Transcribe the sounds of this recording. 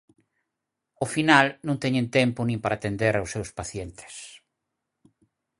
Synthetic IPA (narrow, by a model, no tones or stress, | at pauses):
ofinalnõŋt̪ɛɲẽnt̪ɛmpʊnĩmpaɾat̪end̪eɾawsːewspaθjent̪e̥s